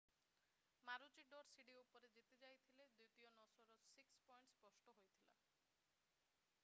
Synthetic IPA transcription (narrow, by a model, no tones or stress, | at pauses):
maɾud͡ʒiɖoɾsiɖiupɔɾed͡ʒit̪ed͡ʒajt̪ʰiled̪ut̪ionɔsɔɾɔsikspɔjɳʈspɔsʈoɦojt̪ʰila̰